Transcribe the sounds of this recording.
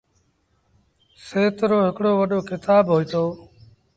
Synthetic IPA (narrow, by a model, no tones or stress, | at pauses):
seːt̪ɾoːɦɪkɽoːʋəɗoːkʰɪt̪aːbɦoːiːt̪oː